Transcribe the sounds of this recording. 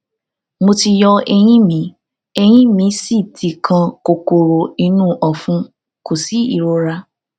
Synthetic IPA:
mo˧ti˧jɔ˧ɛ˧j̃ĩ˦mĩ˨˦ | ɛ˧j̃ĩ˦mĩ˨˦si˦˨tʰi˨kʰã˧ko˨ko˨ɾo˨i˧nũ˦˨ʔɔ˨fũ˦ | ko˨si˨˦ḭ˦˨ɾo˧ɾa˧

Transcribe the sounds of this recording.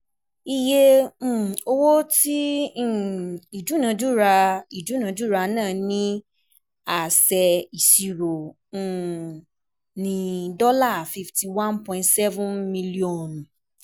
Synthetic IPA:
i˧je˦˨ | o˧wo˦tĩ˦˨ | i˨d͡ʒu˨˦nã˨˧˦d͡ʒu˦ɾa˧i˨d͡ʒu˨˦nã˧d͡ʒu˦˨ɾa˧nãː˦˨nĩ˦ | a˦˨sɛ˧i˨si˨ɾõ˨ | nĩ˧dɔ˦la˦˨fi˧fti˨wã˦npɔ̃˨ĩ˨ntsɛ˦vũ˦nmĩ˧li˦ɔ˨n˨

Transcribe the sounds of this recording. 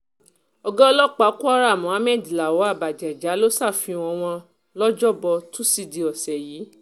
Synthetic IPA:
ɔ˧ɡɔ̃˦ɔ˧lɔ˦k͡pa˨˦ku˦a˦ɾa˦˨mɔ̃˨˦a˨˦mɛ˦˨di˨la˨wɔ˨˦a˦˨ba˨d͡ʒɛ˨d͡ʒa˨˦lo˦sa˦˨fĩ˧ɔ̃˧w̃ɔ̃˧ | lɔ˦d͡ʒɔ˦˨bɔ˧tũ˦si˦˧di˧˨ɔ˨sɛ˨jiː˨˦

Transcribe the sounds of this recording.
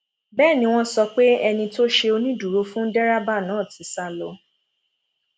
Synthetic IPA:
bɛː˦˨nĩ˧w̃ɔ̃˦sɔ˧k͡pe˦ɛ˧nĩ˧to˦ʃe˧o˧nĩ˦du˨ɾo˧fũ˦n̩˦dɛ˦ɾa˦ba˦˨nã˨˦˨ti˨˦sa˧lɔ˧

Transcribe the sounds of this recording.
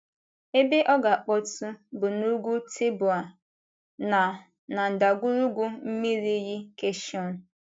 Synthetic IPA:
e˦be˦ʔɔ˦ɡa˨k͡pɔ˦tu˦bʊ˨nu˦ɡʷu˦tʰe˦bʊ˨a˨ | na˨ | na˨n̩˨da˨ɡʷu˦ɾu˦ɡʷu˦m̩˦mi˦ɾi˦ji˦ke˦ʃi˦ɔ˦n̩˨

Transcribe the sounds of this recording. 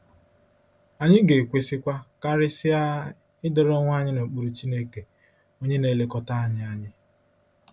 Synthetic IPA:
a˨ɲɪ˦ɡe˨kʷe˨sɪ˦kʷa˦ka˦ɾɪ˦sɪ˦a˦ | ɪ˦dɔ˨ɾɔ˦ŋʷ˦a˦ɲɪ˦no˨k͡pu˨ɾu˨t͡ʃi˦ne˦ke˨ | o˦ɲe˦ne˨le˦kɔ˦ta˦a˦˨ɲɪ˦a˨ɲɪ˦

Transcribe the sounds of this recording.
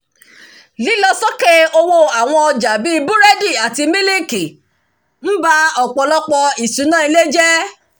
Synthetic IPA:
li˨˦lɔ˧sɔ˦ke˦o˧wo˧a˨w̃ɔ̃˧ɔ˧d͡ʒa˨bi˦˧˦bu˦ɾe˦di˦˨a˨ti˧mĩ˦li˦ki˨ | m̩˦ba˧ɔ˨k͡pɔ˨˧lɔ˦k͡pɔ˧i˨su˨˦nãː˦i˧le˦d͡ʒɛ˦

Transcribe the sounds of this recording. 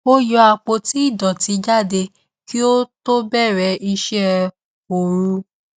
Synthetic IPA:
o˦jɔ˧a˧k͡po˧ti˦i˦˨dɔ˨ti˨˧˦d͡ʒa˦˨de˧ | ki˦o˦to˦bɛ˦˨ɾɛ˨˦i˧ʃɛ˦ | o˨ɾu˧

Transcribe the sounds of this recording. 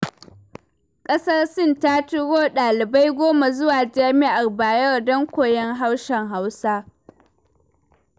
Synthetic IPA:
kʼɐ˦sɐ˦rsɪ˦˨ntaː˦tʊ˦ɽoː˦ɗaː˨lɪ˨ba˦jɡʷoː˦ma˨zʊ˦waː˨d͡ʒaː˦mi˦ʔa˨rbaː˨jɐ˦rdɔ˦ŋkʷoː˨jɛ˦ŋɦa˦wʃɛ˨ŋɦa˦wsaː˦

